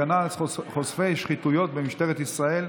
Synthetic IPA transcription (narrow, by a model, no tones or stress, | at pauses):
analχosfejʃχit̪ujo̞t̪bemiʃt̪eʁet̪isʁae̞l